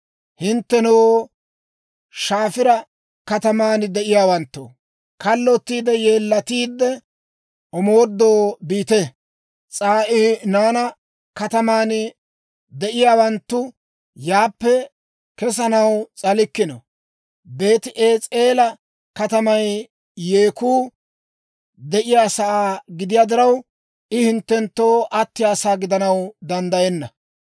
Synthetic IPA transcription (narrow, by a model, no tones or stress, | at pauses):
hɪnt̪ːɛnow | ʃaːfɪɾɐ | kɐt̪ɐmaːnd̪ɛʔɪjaːwɐnt̪ːʊ̰ | kɐlːɔt̪ːiːd̪ɛje̞ːlːɐt̪iːd̪ːɛ | ʔɔmoːd̪ːoːbiːt̪ɛ | t͡sʼaːʔɪnaːnɐ | kɐt̪ɐmaːn | d̪ɛʔɪjaːwɐnt̪ːʊ | jaːpːɛ | kɛs̬ɐnɐwt͡sʼɐlɪkːɪno̰ | be̞ːt̪ɪʔeːt͡sʼe̞ːlɐ | kɐt̪ɐmɐjː | e̞ːkuː | d̪ɛʔɪjaːsɐaːɡɪd̪ɪjaːd̪ɪɾɐw | ʔɪhɪnt̪ːɛnt̪ːo̞ːʔɐt̪ːɪjaːsaːɡɪd̪ɐnɐwd̪ɐnd̪ɐjɛnːɐ